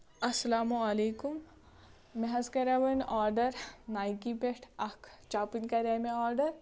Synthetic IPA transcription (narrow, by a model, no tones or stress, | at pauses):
ɐsɐlaːmuɐleːkumː | eɦɐzkɐɾaʋɐnaːɾɖɐɾnaːjkipeʈʰɐkʰt͡ʃaːpinkɐɾeːmeaːɾɖɐɾ